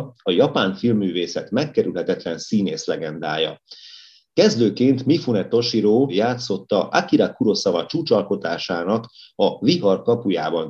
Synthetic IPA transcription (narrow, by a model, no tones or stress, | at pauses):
ɒjɒpaːɱfilmːyːveːsɛt̪mɛkːɛɾylɦɛt̪ɛt̪lɛnsiːneːslɛɡɛnd̪a̰ːjɒ̰ | kɛzd̪øːkeːnt̪mifunɛt̪o̞ʃiɾoːjaːt̪so̞t̪ːɒʔakiɾakuɾo̞sɒvɒt͡ʃuːt͡ʃɒlko̞t̪aːʃaːnɒkɒviɦɒrkɒpuja̰ːbɒn